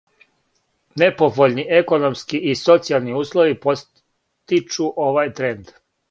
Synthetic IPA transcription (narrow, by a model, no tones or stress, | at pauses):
ne̞po̞voʎniʔeko̞no̞mskiʔiso̞t̪sialˠniuːslˠoʋipo̞ | t̪it͡ʃuʔo̞ʋajt̪ɾend̪